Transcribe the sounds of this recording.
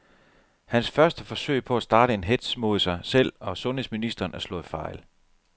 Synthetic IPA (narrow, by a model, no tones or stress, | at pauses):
hænsfɶɐsd̥əfɒ̽sø̰ɪpʰɒ̽æsd̥ɑ̈ːɾ̥əe̝nɦed̥smo̝ðˠsɑ̈ɪsel̰ɒ̽sɔ̽nɦḛsminisd̥ɐːnæɐslɔ̰̽ːð̩ˠfɑ̈ɪl